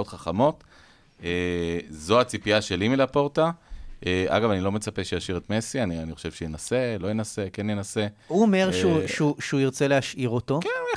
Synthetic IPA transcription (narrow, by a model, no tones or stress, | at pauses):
otχaχamo̞t | ezo̞at͡sipiaʃe̞limilapo̞ʁtaʔeʔa̰ɡavanilo̞me̞t͡sapeʃejaʃiʁetme̞sianianiχo̥ʃev̥ʃejenase̞lo̞jenase̞kenjenase̞huome̞ʁʃeuʃuʃuiʁt͡selehaʃʔiʁoto̞ke